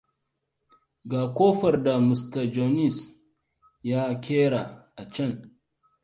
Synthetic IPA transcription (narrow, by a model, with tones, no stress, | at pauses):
ɡaː˨kʷoː˦ɸɐ˨rda˨mi˨stɐ˨d͡ʒo˨ni˦˨s | jaː˦kʲʰeː˦ɽa˨ʔa˨t͡ʃɐ˦˨ŋ